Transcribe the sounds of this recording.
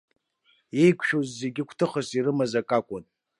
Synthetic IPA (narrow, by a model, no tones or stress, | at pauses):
ejkʷʰʃozːe̞ɡʲɪkʷʰtʰɨχasiɾɨmazakʼakʷʼʊn